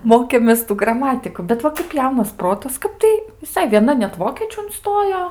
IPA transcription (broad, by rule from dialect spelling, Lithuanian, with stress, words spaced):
ˈmoːkʲeːmʲeːs ˈtuː ɡrɐˈmɑːtʲɪkʊ bʲɛt ˈʋɐ kɐp ˈjɛʊnɐs ˈproːtɐs ˈkɐp tɐɪ ʋʲɪˈsɐɪ ʋʲiɛˈnɐ nʲɛt ˈʋoːkʲiɛt͡ʃʲuː ʊnˈstoːjoː